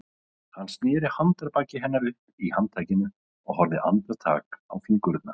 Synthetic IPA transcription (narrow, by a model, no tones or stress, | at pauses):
hanːst̪nɪːɾɪhant̪aɾpaːcɪɦɛnːaɾvɪhpihant̪ʰaːjcɪnʏ | ɔɣɦɔɾðɪʔa̰nt̪ɾat̪ʰa̰ːkawfiŋkʏɾʏt̪na̰